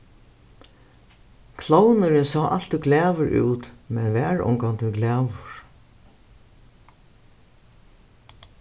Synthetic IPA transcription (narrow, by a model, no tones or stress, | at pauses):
kʰlownəɾɪnsɔːʔal̥t̪ɪɡlæːʋʏɹṵːt̪mɛnʋæːɹɔ̰ŋkant̪ʰɪlɡlæːʋʊɹ̥